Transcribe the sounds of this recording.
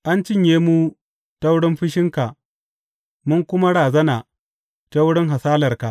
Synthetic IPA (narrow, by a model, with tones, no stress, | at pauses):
ʔa˦nt͡ʃɪ˦ɲjeː˦mu˦ | ta˦wʊ˦ɽɪ˦mɸɪ˦ʃɪ˦ŋka˨ | mʊ˦ŋkʷʊ˦ma˦ɽaː˨zɐ˦naː˨ | ta˦wʊ˦ɽɪ˦ŋɦa˨saː˦lɐ˨rka˨ʔ